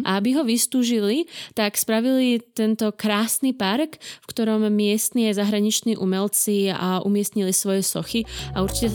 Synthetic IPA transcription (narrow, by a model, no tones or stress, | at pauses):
ʔa̰abiɦɔʋist̪uːʒilit̪akspɾaʋilit̪ɛnt̪ɔkɾaːsnipaɾkfkt̪ɔɾɔmːɪɛst̪niːazaɦɾaɲit͡ʃniːʔumɛlt͡sia̰ʔṵmɪɛst̪ɲilisʋɔjɛsɔxiauɾt͡ʃi̥cɛ